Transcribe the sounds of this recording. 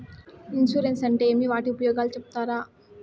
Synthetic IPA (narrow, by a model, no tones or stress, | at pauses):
inʃuɾensɐɳʈeeːmiʋaːʈiupɐjɔːɡaːlut͡ʃepu̥t̪aːɾaː